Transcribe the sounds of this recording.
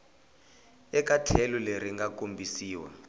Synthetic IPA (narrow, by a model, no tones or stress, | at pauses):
ɛkatʰɛluleɾiŋɡakombʱisiːwa̰